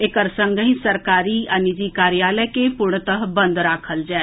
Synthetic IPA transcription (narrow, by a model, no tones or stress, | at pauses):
ɪkəɾsəŋɡəɦĩːsəɾkaːɾiːʔənid͡ʒiːkaːɾɪjaːləkeːpʊɾɳət̪əɦbənd̪ɾaːkʰəld͡ʒɛː